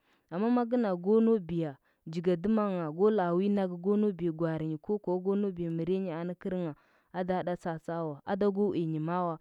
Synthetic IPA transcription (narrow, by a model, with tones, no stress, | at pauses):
a˨mːa˦ma˦ɡi˦na˨ɡo˦no˦bi˨ja˨ | d͡ʒi˨ɡa˨du˦ma˦ŋa˨ɡo˦la˨wi˦na˦ɡɡo˦no˦bi˨ja˨ɡʷa˨ɾi˨ɲi˨ko˦ko˨˦ɡo˦no˦bi˨ja˨mi˨ɾe˦ɲi˦a˨na˦ki˦ɾŋa˨ | a˦da˦da˦t͡sa˨t͡sa˦wa˨a̰˦da˦ɡo˦wi˨ɲi˨ma˦wa˦